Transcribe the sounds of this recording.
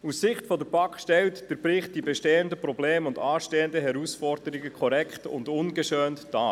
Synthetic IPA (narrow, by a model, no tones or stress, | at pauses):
usːɪχtfɔdəɾbɑkʃtɛltd̥əɾbɾɪχt̚d̥ibɛʃteːəndəprɔbleːmʊndɑːʃteːəndəɦɛɾusfɔrdəɾiɡəkʰɔɾɛkχtʊ̰ndʊnɡəʃøːntd̥ɑː